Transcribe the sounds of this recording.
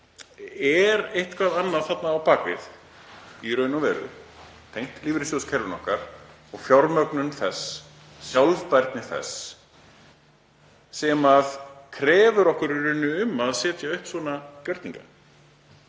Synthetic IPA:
ɛɾejht̪kʰvaðanːaðθat̪naːwpaːkvɪ̰θ | iɾœɥnʏvɛːɾʏ̰ | t̪ʰejŋ̥t̪liːvɾɪsjoscʰɛɾvʏnɔ̰hkaɾ̥ | ɔɣfjawɾmœknʏnθɛsː | jawlvpajɾt̪nɪθɛ̰s | ɛmaðkʰɾɛːvʏɾɔhkʏɾirʏnːʏʏmːaðsɛːt̪jaʏhpsvɔːnacœɾt̪niŋka̰

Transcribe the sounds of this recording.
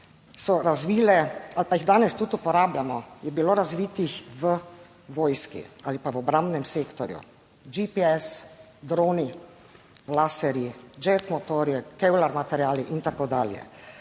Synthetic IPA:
sɔɾazʋiːlɛalpaiɣd̪aːnɛst̪ut̪upɔɾaːblamɔjɛbiloːɾazʋiːt̪ixʋə | ʋoːjskḭalipaʋɔbɾambnɛmseːkt̪ɔɾjṵ | d͡ʒipiɛs | d̪ɾoːni | lasɛɾid͡ʒɛt̪mɔt̪oːɾjɛkɛwlaɾmat̪ɛɾjaːliʔint̪akod̪aːljɛ̰

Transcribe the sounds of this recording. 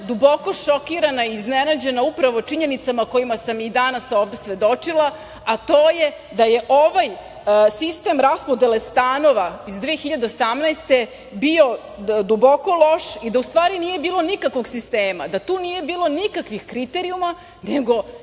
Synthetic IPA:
d̪uboko̞ʃokiɾanaiːznenad͡ʑe̞naupɾaʋo̞t͡ʂiɲe̞nit̪samako̞jimasamid̪anasoːʋd̪e̞sʋe̞d̪o̞t͡ʂilˠa | at̪oːje̞ | d̪aje̞ʔoʋaj | sist̪e̞mɾaspo̞d̪elest̪aːno̞ʋaizd̪ʋeːxiʎad̪e̞osamnaest̪e̞ | bio̞ | d̪ubo̞ko̞lo̞ʃid̪aust̪ʋaːɾinije̞biːlˠo̞nikakʋo̞ɡsist̪eːmad̪at̪uːnije̞biːlˠo̞nikakʋixkɾit̪eɾiuma | neɡo̞

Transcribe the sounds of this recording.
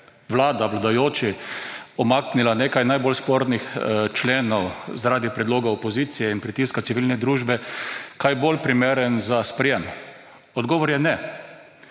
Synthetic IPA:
ʋlaːd̪aʋlad̪ajoːt͡ʃiɔmaknilaneːkajnajbolspoɾnixt͡ʃleːnɔwzaɾaːd̪ipɾɛd̪loːɡaɔpɔziːt̪sijɛinpɾit̪iskasiʋilnɛd̪ɾuːʒbɛkajbolpɾimeɾənzaspɾɛjɛm | ɔd̪ɡɔːʋɔɾjɛnɛ

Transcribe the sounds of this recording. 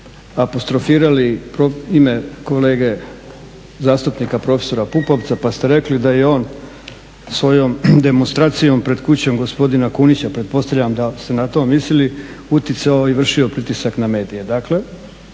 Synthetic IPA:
apo̞st̪ɾo̞fiːɾalipɾoime̞ko̞le̞ːɡe̞ | zaːst̪upnikapɾo̞feso̞ɾapupo̞ʋt̪sapast̪eɾe̞klid̪aje̞o̞ːn | sʋo̞jo̞md̪e̞monst̪ɾaːt̪sijo̞mpɾe̞d̪kut͡ɕo̞mɡo̞spo̞d̪inakunit͡ɕapɾet̪̚po̞st̪aʋʎamd̪ast̪e̞nat̪o̞ːmisliliut̪jit̪saoiʋr̩ʃio̞pɾit̪isakname̞ːd̪ije̞d̪akle̞

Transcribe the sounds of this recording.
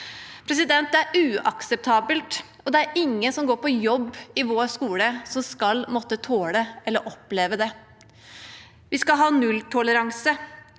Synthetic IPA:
pʰɾɛsɪd̪ɛnt̪æɾʉːɑ̰ksɛp̚t̪ʰɑːbəlt̪ | ɔd̪ɛæɾɪŋːənsɔmɡoːɾpɔjɔbːɪʋoːskuːləsɔmskɑlmɔt̪ːət̪ʰoːləɛlːəɾʔɔpleːʋəd̪ɛ | ʋɪskɑlɦɑːnʉlt̪ʰɔləɾɑŋsə

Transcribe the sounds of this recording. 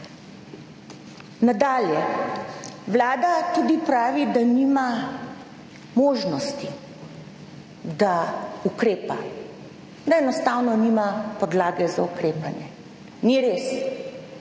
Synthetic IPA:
nad̪aːljɛ | ʋlaːd̪at̪uːd̪ipɾaːʋid̪aniːma | moːʒnɔst̪i | d̪aukɾeːpa | d̪aɛnɔst̪aːwnɔniːmapɔd̪laːɡɛzaukɾeːpanjɛ | niɾeːs

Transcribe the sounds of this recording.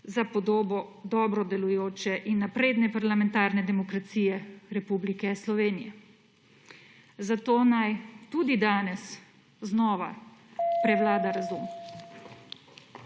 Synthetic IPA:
zapɔd̪oːbɔd̪ɔːbɾɔd̪ɛlujoːt͡ʃɛʔinːapɾeːd̪nɛpaɾlamɛnt̪aːɾnɛd̪ɛmɔkɾat̪siːjɛɾɛpublikɛslɔʋeːnijɛ | zat̪oːnajt̪uːd̪id̪aːnɛs | znɔːʋa̰pɾɛʋlaːd̪aɾazum

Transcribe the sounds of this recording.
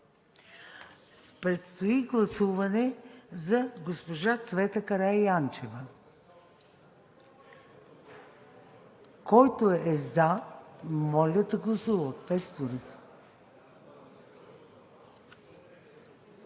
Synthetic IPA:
pɾɛt̪st̪oiɡlˠɐsuvɐnɛzɐɡospoʒat̪svɛt̪əkɐɾajant͡ʃɛvə | kɔjt̪oɛza | mɔlʲəd̪ɐɡlˠɐsuvət̪̚pɛst̪oɾɛt̪

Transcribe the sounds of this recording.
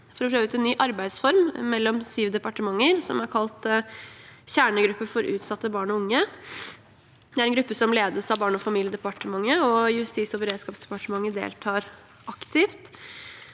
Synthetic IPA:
fɔɾɔpʰɾøːʋəʉːt̪ɛnːyːʔɑɾbæɪd̪sfɔɾmːɛlːɔmsyːʋd̪ɛpɑʈəmɑŋːəɾsɔmæɾkʰɑlt̪ | ɕæːɳəɡɾʉpːəfɔɾʉ̰ːt̪sɑt̪ːəbɑːɳɔʊŋːə | d̪ɛæɾɛnɡɾʉpːəsɔmleːd̪əsɑʋbɑːɳɔfɑmiːlɪjəd̪ɛpɑʈəmɑŋːəɔjʉst̪iːsɔbəɾeːd̪skɑːpsd̪ɛ̥pɑʈəmɑŋːəd̪ḛːlt̪ʰɑːɾ | ʔɑkt̪ʰɪft̪

